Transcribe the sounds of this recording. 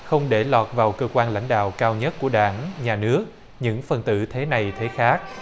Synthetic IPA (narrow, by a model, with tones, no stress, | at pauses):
xə˧wŋ͡mɗe˧˩lɔː˨˩t̚vaː˨˩wkəː˧kwaː˧nla̰˧˥ŋ̟ɗa̰ː˧˨wkaː˧wɲə˦˥t̚ku˧˩əɗaː˧˩nɲaː˨˩nɨ˦˥ək̚ | ɲɨ̰˧˥ŋfə˨˩nt̪ɨ̰˧˩t̪ʰe˨˦na˨˩jt̪ʰe˨˦xaː˦˥k̚